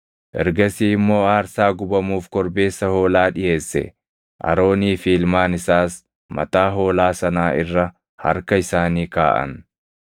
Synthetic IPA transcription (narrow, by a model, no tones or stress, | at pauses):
ʔɛ̰ɾɡɐsiːɪmːo̞ːaːɾsaːɡʊbɐmuːfkɔɾbe̞ːsːɐho̞ːlaːᶑɪjeːsːɛ̰ | ʔɐ̰ɾo̞ːniːfiːlmaːnɪsaːs | mɐ̰t̪aːɦo̞ːlaːsɐnaːɪ̰rːɐ | hɐ̰ɾkɐɪsaːniːka̰ːʔɐ̰n